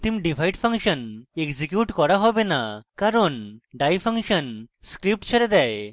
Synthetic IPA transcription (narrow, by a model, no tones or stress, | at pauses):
t̪imɖibʱajɖpʰaŋʃɔnekzikjuʈkɔɽaɦɔbenakaɾɔnɖajpʰaŋʃɔnskɾip̚ʈt͡ʃʰɔɾed̪ɛj